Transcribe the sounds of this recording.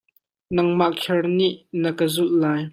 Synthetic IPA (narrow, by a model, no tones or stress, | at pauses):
nɐŋmaʔkʰɛrniʔnəkəzullaːj